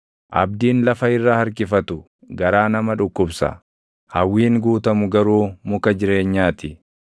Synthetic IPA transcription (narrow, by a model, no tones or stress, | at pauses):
ʔɐ̰bd̪iːnlɐfɐɪrːaːhɐɾkɪfɐt̪ʊ | ɡɐɾaːnɐmɐᶑʊkːʊbsɐ̰ | hɐwːiːŋɡuːt̪ɐmʊɡɐɾuːmʊkɐd͡ʒɪɾe̞ːɲːaːt̪ɪ